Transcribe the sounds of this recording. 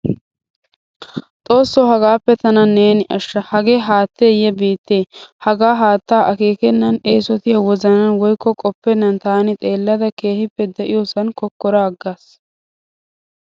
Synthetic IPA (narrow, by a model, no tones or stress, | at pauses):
t̪ʼo̞ːsːɔɦɐɡaːpːɛt̪ɐnɐneːnɪʔɐʃːɐhɐɡeːɦaːt̪ːeːjɛbiːt̪ːeːhɐɡaːɦaːt̪ːaːʔɐke̞ːkɛnːɐne̞ːsɔt̪ɪjawɔzɐnɐnwɔjkːɔkʼɔpːɛnːɐnt̪aːnɪt̪ʼe̞ːlːɐd̪ɐke̞ːhɪpːɛd̪ɛʔɪjoːsɐnkɔkːɔɾaːɡːaːs